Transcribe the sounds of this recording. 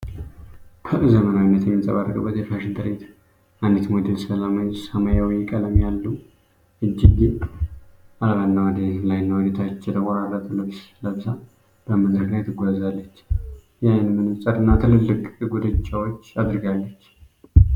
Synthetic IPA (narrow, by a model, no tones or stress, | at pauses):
kʰəʔɨzəmənawinːət̪jɛmːit̪ʼə̰βarːəkʼɨbːət̪jɛfaʃɪnd̪ɨɾet̪ | ʔand̪it̪mod̪elsəlamajsəmajawjɛkʼələmjalːu | ɨd͡ʒːɪɡ | alβanːawəd̪elajnːawəd̪et̪ʰat͡ʃːɛd̪əwaɾarat̪ʰɨlɨβsləβza | b̥əməd̪ɾəklajt̪ʰɨɡʷazalːət͡ʃː | jajnmɨnɨmsʼəd̪ɨnːat̪ʰɨlɨlːɨkʼɡud̪ɨt͡ʃʼːawot͡ʃːad̪ɾɨɡalːət͡ʃː